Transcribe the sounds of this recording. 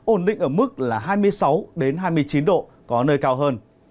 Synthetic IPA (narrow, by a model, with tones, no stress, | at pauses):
ʔo˧˩nɗḭ̈˧˨ŋʔəː˧˩mɨ˦˥k̚laː˨˩ɦaː˧jmɨ˧əjsa˨˦wɗe˨˦nɦaː˧jmɨ˧əjt͡ɕi˨˦nɗo̰˧˨ | kɔ˨˦nəː˧jkaː˧wɦəː˧n